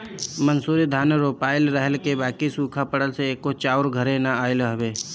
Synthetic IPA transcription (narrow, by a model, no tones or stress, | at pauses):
mənsuːɾid̪ʱaːnɾoːpaːɪlɾəɦəlkebaːkisuːkʰapəɽəlseːkot͡ʃaːʊɾɡʱəɾẽnaaːɪlɦɐbeː